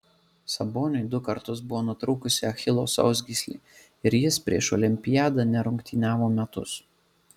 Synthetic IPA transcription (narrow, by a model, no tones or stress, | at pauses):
sɐboːnʲʊɪd̪ʊkɐɾt̪ʊsbʊʋoːnʊt̪ɾuːkʊsʲɪɐxʲɪlˠo̰ːsɐ̰ʊzʲɡʲisʲlʲḭː | ɪɾjɪspʲɾʲḭɛʃɔlʲɪmʲpʲɪjæːd̪ɐnʲɛɾʊŋkt̪ʲiːnʲæːʋoːmʲɛt̪ʊ̰s